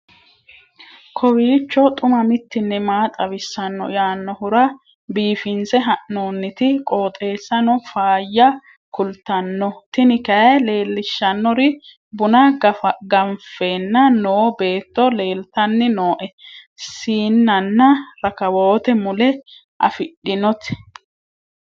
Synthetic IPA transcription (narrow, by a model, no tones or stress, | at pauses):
kʰɔwiːt͡ʃːɔt̪ʼʊmɐmɪt̪ːɪnːɛmaːt̪ʼɐwɪsːɐnːɔ̰jaːnːɔhʊɾɐ | biːfɪnsɛɦɐʔnoːnːɪt̪ɪkʼo̞ːt̪ʼe̞ːsːɐnɔfaːjːɐ | kʊlt̪ːɐnːɔt̪ɪnɪkɐjle̞ːlːɪʃːɐnːɔɾɪ | bʊnɐɡɐfɡɐmfeːnːɐnoːbe̞ːt̪ːɔle̞ːlt̪ɐnːɪno̞ːʔɛsiːnːɐnːɐɾɐkɐwoːt̪ɛmʊlɛ | ʔɐ̰fɪɗːɪnɔt̪